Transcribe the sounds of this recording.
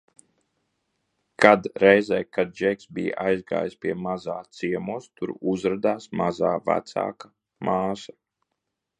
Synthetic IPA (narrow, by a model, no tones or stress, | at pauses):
kʰad̪ɾɛjzɛjkad̪̚d͡ʒɛksbij̰ʔajzɡa̰ːjispʲiɛmazaːt̪siɛmuɔst̪uɾuzɾad̪aːsmazaːvæ̰t̪sa̰ːka | maːsḁ